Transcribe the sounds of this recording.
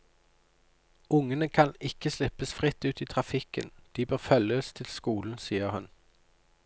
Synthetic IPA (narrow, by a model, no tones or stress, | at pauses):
ʊŋənəkʰɑnɪkəslɪpəsfʁɪt̪ʉːt̪iːt̪ʰʁɑfɪkə̰nd̪̥iːbøːʁfœləst̪ʰɪlskuːln̩siːəʁhʉn